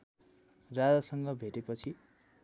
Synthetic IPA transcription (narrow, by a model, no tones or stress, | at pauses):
rad͡zasʌŋɡʌbʱeʈepʌt͡sʰi